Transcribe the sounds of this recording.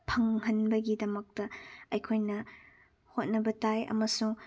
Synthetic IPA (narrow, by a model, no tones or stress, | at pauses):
pʰɐŋɦɐnbɐɡidɐmɐk̚tɐɐjkʰojnɐ | hot̚nɐbɐtajɐ̰mɐsuŋ